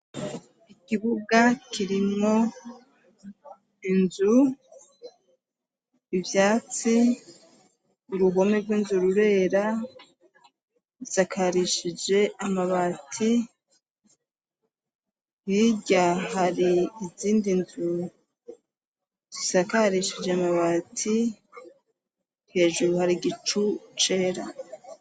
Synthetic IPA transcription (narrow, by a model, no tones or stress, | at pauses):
ikiβuɡakʰiɾimo̞ | inzu | vjaːt͡si | uɾuɦo̞meɾɡwinzuɾuɾe̞ɾa | isakʰaɾiʃid͡ʒe̞ʔamaβaːtʰi | hiɟaɦaɾiːziːndinzu | z̥isakaɾiʃid͡ʒe̞amaβatʰi | he̞ːʒuɾuhaɾiɡit͡ʃut͡ʃe̞ːɾa̰